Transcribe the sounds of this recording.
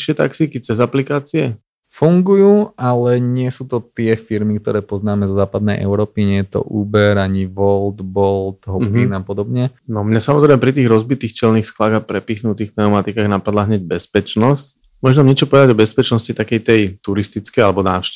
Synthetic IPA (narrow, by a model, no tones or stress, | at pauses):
ʃɪɛt̪a̰ksikit͡sɛzaplikaːt͡siɛ | fuŋɡujuːʔalɛɲɪɛsuːt̪ɔt̪ɪɛfiɾmik̚t̪ɔ̰ɾɛːpɔznaːmɛzɔzaːpad̪nɛjʔɛ̰ʊɾɔːpiɲɛjɛt̪ɔ̰ʔuːbɛɾaɲiʋɔld̪bɔlt̪ɦɔinapɔd̪ɔbɲɛnɔmɲasamɔzɾɛɪmɛpɾit̪iːɣɾɔzbit̪iːxt͡ʃɛlnixsklaːɣapɾɛpiːxnut̪iːxpnɛɔmat̪ikaːɣnapad̪laɦɲɛɟbɛspɛt͡ʃnɔsc | mɔʒamɲɪɛt͡ʃɔpɔʋɛd̪aɟɔbɛspɛt͡ʃnɔscit̪akɛjt̪ɛjt̪uɾist̪it͡skɛjalɛbɔna̰ːʃ